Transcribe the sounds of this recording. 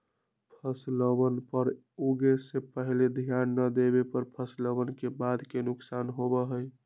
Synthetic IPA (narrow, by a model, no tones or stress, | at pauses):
pʰəsləbənpəɾ | uɡesepəɦled̪ʱijanːəd̪ebepəɾpʰəsləbənkebad̪kenʊksanɦobəɦəj